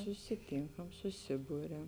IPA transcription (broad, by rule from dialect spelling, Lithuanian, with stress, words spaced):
sʊsʲɪˈtʲɪŋkɐm sʊˈsʲɪbʊrʲɛm